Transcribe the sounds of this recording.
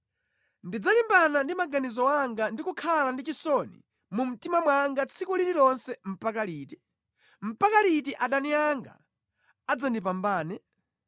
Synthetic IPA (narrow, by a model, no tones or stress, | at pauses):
ndid͡zalimbanandimaɡanizɔwaŋɡandikukʰalandit͡ʃisɔnḭ | mum̩timamwaŋɡat͡sʰikuliɾilɔnsɛm̩pakaliːti | m̩pakalitiʔaɗaniaŋɡa̰ː | d͡zandipambaːnɛ